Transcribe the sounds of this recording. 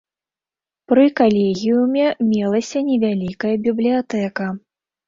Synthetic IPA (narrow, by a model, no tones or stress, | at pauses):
pɾɨkalʲeɣʲijumʲɛmʲɛlˠɐsʲɐnʲɛvʲalʲikɐjɐbʲiblʲijat̪ɛkɐ